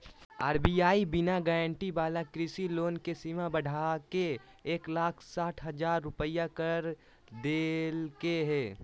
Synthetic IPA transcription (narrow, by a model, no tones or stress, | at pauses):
aːɾbiaːibɪnaɡeːɾə̃ɳʈibaːlakɾɪsiloːnkesimabəɽʱaːke | eːklaːkʰsaːʈʰɦɐzaːɾːʊpəjakəɾ | d̪eːlkeɦɛː